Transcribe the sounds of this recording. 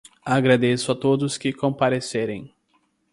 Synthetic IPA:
aɡɾad̪esʊat̪od̪ʊskɪkõpaɾeseɾẽj̃

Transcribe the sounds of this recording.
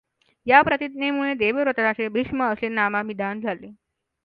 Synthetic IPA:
japɾət̪id̪nemuɭed̪eʋeɾət̪ɾasebʱiʂməəsenamamid̪ʱand͡zʱale

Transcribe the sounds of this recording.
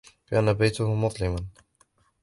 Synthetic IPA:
bɪʔanːabajt̪ʊhʊmʊðˤlɪman

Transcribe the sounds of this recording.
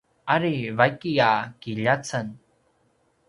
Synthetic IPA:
aɾivajkiakiʎat͡sən

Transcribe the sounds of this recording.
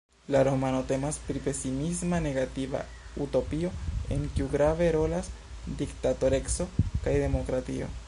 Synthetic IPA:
laɾo̞mano̞te̞maspɾipe̞simismane̞ɡativa̰ | uto̞pio̞e̞̰ŋkiuɡɾave̞ɾo̞las | diktato̞ɾekso̞kajde̞mo̞kɾatḭo̞̰

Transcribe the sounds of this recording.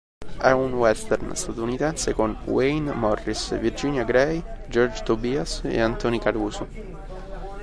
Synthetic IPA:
ɛunwɛst̪ɛrnst̪at̪unit̪ɛnsekonwejnmɔrːisvird͡ʒinjaɡɾɛjd͡ʒɔrd͡ʒt̪obiasḛant̪ɔnikaɾuːso

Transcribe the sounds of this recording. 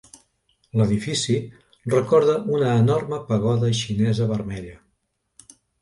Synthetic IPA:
ləðifisi | rəkɔɾðəʔunəːnɔrməpəɣ̞ɔðəʃinɛzəβərmɛʎə

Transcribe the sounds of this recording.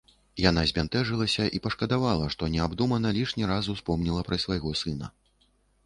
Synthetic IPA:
janazʲmʲant̪ɛʐɨlˠɐsʲɐʔipɐʂkɐd̪avalˠɐʂt̪ɔnʲɛabd̪umɐnɐlʲiʂnʲiɾazuwspɔmnʲilˠɐpɾɐsʲvajɣɔsɨnɐ̰

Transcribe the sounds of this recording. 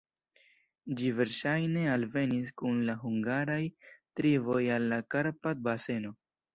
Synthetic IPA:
d͡ʒive̞ɾʃajne̞alve̞nis̬kunlaɦuŋɡaɾajtɾivo̞jalːakaɾpad̪̚base̞no̞

